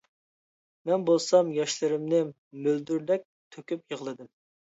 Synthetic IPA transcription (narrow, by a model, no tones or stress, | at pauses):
mɛnbolˠsɑmjɑʃlˠɨɾɪmnɨ | møld̪yɾd̪ɛk̚ʲt̪ʰøkʲypjəʁlˠɨd̪ɨm